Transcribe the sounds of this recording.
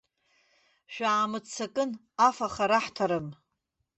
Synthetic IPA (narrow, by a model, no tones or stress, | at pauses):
ʃᶣaːmɨt͡sʰːakʼɨn | afaχaɾaħtʰaɾɨm